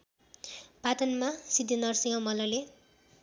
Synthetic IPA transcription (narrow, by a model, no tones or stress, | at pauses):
pat̪ʌnmasid̪inʌrsiŋʌmʌlʌle